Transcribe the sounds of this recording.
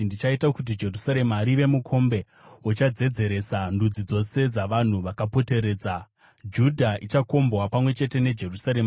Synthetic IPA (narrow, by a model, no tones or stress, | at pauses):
ndit͡ʃaitakut̬id͡ʒe̞rusaɾe̞maɾiʋe̞mukʰo̞mbe̞ | wot͡ʃad͡ze̞d͡ze̞ɾe̞sandud͡zid͡zo̞se̞d͡zaʋan̤uʋakapo̞te̞ɾe̞ːd͡za | d͡ʒudʱaʔit͡ʃako̞mbwapamwe̞t͡ʃe̞te̞ne̞d͡ʒe̞rusaɾe̞ːma